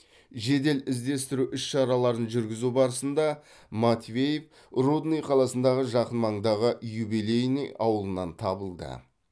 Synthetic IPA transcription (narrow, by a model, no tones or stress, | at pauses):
ʒe̞d̪e̞lɪzd̪e̞st̪ɪɾuʔʏsʃɑɾɑlˠɑɾənʒʏɾɡʲɪzubɑɾəsənd̪ɑ | mat̪vʲe̞jef | rud̪nijqʰɑlˠɑsənd̪ɑʁəʒɑqənmɑɴd̪ɑʁəjubilejnijɑwəlˠənɑnt̪ʰɑbəlˠd̪ə̰